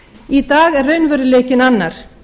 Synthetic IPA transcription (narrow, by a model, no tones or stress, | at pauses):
it̪aːɣɛrːeɥnvœɾɪleːcɪnanːaɾ̥